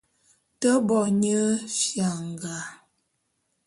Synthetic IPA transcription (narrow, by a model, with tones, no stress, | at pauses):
tə˦bɔ˨ɲə˦ʃja˨ŋ˨ɡa˨